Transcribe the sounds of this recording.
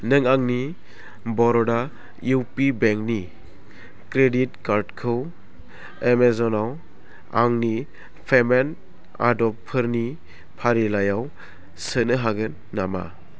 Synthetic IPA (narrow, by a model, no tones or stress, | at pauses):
nɯŋaŋni | bɔɾɔda | uwpibeŋk̚ni | kɾeditkaɾdkʰɯw | emezɔnaw | a̰ŋni | pʰemen | a̰dɔppʰɯɾni | pʰaɾilajaw | sənɯɦaɡɯnːama̰